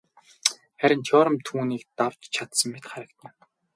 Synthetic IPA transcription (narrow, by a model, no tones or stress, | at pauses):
χæɾʲɪ̆nt͡ɕʰɔːɾə̆mt̪ʰuːniːkt̪aw̥t͡ɕt͡ɕʰat̪sə̆mːet̪χaɾə̆kt̪ʰə̆n